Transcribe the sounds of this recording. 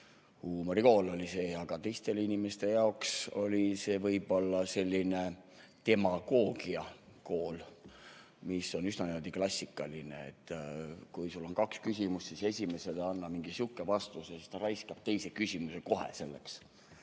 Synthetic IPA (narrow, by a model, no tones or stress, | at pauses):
huːmo̞ɾiko̞ːlo̞lʲise̞ːɑɡ̥ɑt̪e̞jst̪e̞linime̞st̪e̞jɑokso̞lʲise̞ːvɤjb̥o̞lːɑse̞lʲːine̞t̪e̞mɑɡ̥o̞ːɡ̥iɑko̞ːl | misːo̞nysnɑnimold̪iklɑsʲːikːˑɑlinḛḛt̪ːˑkujsulːo̞nkɑkskysʲimust̪sise̞sʲime̞se̞leɑnːɑmiŋɡ̥isukːˑevɑst̪usesist̪ɑɾɑjskɑb̥̚t̪e̞jse̞kysʲimuse̞ko̞ɦḛse̞lːe̞̰ks